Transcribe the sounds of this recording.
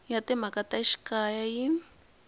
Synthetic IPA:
jat̪emakat̪aiʃkajajin

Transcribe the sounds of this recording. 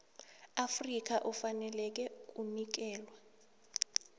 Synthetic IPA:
afrik̬aʔufanɛlɛk̬ʼɛk̬ʼunik̬ɛːlwa

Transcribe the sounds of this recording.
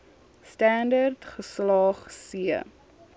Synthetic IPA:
stændərtχəslɑːχsiə

